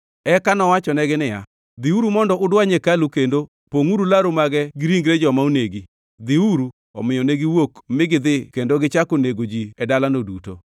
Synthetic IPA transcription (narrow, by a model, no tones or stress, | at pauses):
ɛkanɔwat͡ʃɔnɛɡɪnɪja̰ | d̪ɪuɾumɔndɔʔʊdwaɲekalukendo | poŋuɾulaɾomaɡɛɡɪɾiŋɡɾɛd͡ʒɔmauneɡi | d̪ɪuɾu | ɔ̰mɪjɔneɡiwokmɪɡɪd̪ɪkendoɡɪt͡ʃakoneɡod͡ʒiɛdalanoduto̰